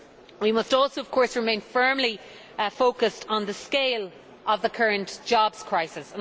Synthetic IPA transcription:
wimʌstɔˑlˠsoʊʌv̥kʰɔɹsɹɪmẽɪ̃nfɜ˞mli | foʊkəstn̩ðəskeɪl | əvðəkʰɜɹə̃nʔd̥ʒ̥ɑbz̥kʰɹ̥aɪsɪsə̃n

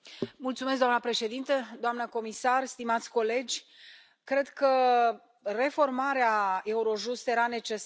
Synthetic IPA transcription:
mult̪sumes̬kd̪oamnəpɾe̞ʃe̞d̪int̪əd̪oamnəko̞misarst̪imat̪sʲko̞le̞d͡ʒʲ | kɾe̞d̪kə | re̞fo̞rmaɾeae̞uɾo̞ʒust̪je̞ɾane̞t͡ʃe̞s

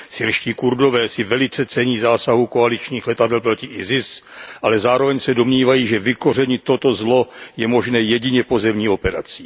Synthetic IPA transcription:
sɪɾʃciːkuɾdo̞vɛːsɪvɛlɪt͡sɛt͡sɛɲiːzaːsaɦukoalit͡ʃɲiːxlɛt̪adɛlpɾo̞cɪʔɪzɪsʔalɛzaːɾo̞vɛɲsɛdo̞mɲiːvajiːʒɛvɪko̞r̝ɛɲɪt̪ːot̪o̞zlo̞jɛmo̞ʒnɛːjɛɟɪɲɛpo̞zɛmɲiːo̞pɛɾa̰t͡si̥ː

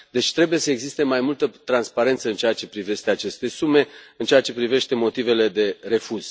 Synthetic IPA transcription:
d̪e̞t͡ʃʲt̪ɾe̞buje̞səeɡzist̪e̞majmult̪ət̪ɾanspaɾe̞nt̪səɨnt͡ʃeat͡ʃe̞pɾive̞ʃt̪e̞at͡ʃe̞st̪e̞sume̞ɨnt͡ʃeat͡ʃe̞pɾive̞ʃt̪e̞mo̞t̪ive̞le̞d̪e̞re̞fuz̥

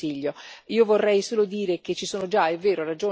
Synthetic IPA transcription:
iʎːoiːovorːɛjsoːlod̪iːɾek̟et͡ʃːisoːnod͡ʒaevːeːɾoɾad͡ʒoː

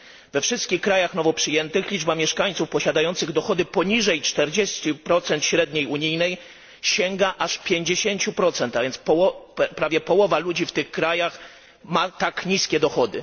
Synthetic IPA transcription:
vɛfʂɘst̪kʲixkːɾajaxnɔvɔpʂɘjɛnt̪ɘxlʲid͡ʐbamʲjɛʂkaɲʲt̪sufpɔɕad̪ajɔnt̪sɘɣd̪ɔxɔd̪ɘpɔɲiʐɛjt͡ʂt̪ɛɾd͡ʑest͡ɕupɾɔt̪sɛnt̪ɕɾɛd̪ɲejuɲijnɛj | ɕɛŋɡaʔaʂpʲjeɲd͡ʑeɕeɲt͡ɕupɾɔt̪sɛnt̪avʲjɛnt̪spɔwɔpɾavʲjɛpɔwɔvalud͡ʑift̪ɘxkɾajax | mat̪akɲiskʲɛd̪ɔxɔd̪ɘ̰

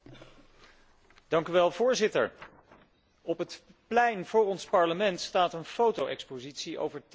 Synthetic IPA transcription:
d̥ɑŋkyʋɛlˠvʊːɹzɪtə̰ɹ | ɔpɦət | plɛjnv̥ʊːɹɔnspɑɹləmɛntstaːtənfowtowʔɛkspozitsiʔo̰wvəɹt

